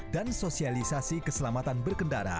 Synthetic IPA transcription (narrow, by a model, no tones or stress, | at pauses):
dansosialisasikəsəlamat̪anbərkəndaɾa̰